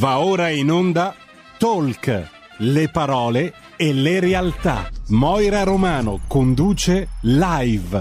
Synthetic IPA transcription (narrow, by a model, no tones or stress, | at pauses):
vaoːɾainond̪a | t̪olk | lepaɾɔːle | eleɾealt̪a̰mɔjɾaɾomaːnokond̪uːt͡ʃelajv